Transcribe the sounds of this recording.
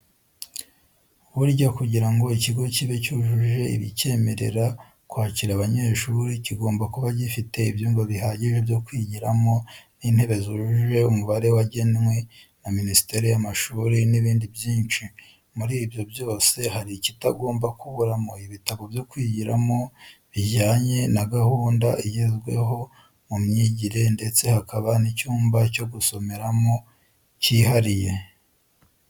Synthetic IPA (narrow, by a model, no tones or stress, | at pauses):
βuɾɟakuɟiɾaŋɡo̞iciɡo̞ciβecuʒuʒe̞ḭβḭce̞ːme̞ɾe̞̰ɾa | kwaːciɾaβaɲe̞ʃuɾiciɡo̞ːmbakuβaɟifite̞ibjuːŋɡoβihaɟiʒe̞bjo̞kwiːɟiɾamo̞nin̥he̞βe̞zuʒuʒe̞umuβaɾe̞waɟenŋwe | naminisi̥te̞ɾijamaʃuɾiniβiːndibjiːnt͡ʃi | muɾiːbjo̞bjo̞ːse̞haɾicitaɡo̞ːmbakuβuɾamo̞iβitaβovjokwiːɟiɾa̰mo̞βiʝaːɲe̞naɡahuːndaijezɡwe̞̰ɦo̞ | mumɲiɟiɾe̞nde̞t͡se̞hakaβanicuːmbaco̞ɡuso̞me̞ɾamo̞ | ciːɦaɾije̞